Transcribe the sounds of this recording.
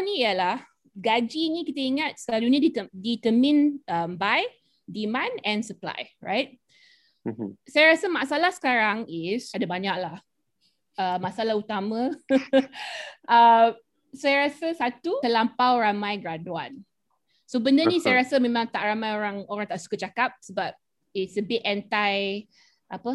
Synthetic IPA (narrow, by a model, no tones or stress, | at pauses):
niiəlah | ɡad͡ʒinikit̪əiŋat̪̚səalunidiədit̪əmĩnʔəmbaj | dimãnɛ̃nsəpla̰jɹa̰jt̚ | sajaɾasəmaʔsalahsə̥kaɾaŋisadabaɲak̚lah | əmaʔsalahut̪amə̃ | ʔəm | sajaɾasəsat̪ukəlampawɾamãjɡɾadua̰n | sobəndənĩsajaɾasəmẽmãŋt̪aʔramajoɾaŋoɾaŋt̪aʔsu̥kət͡ʃakap̚səbap̚ | itsəbiʔɛntaj | ʔapə